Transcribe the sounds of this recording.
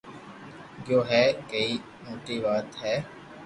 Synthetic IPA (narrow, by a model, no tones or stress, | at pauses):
ɡjoːɦɛːkəiː | moːʈiːʋaːt̪ɦɛː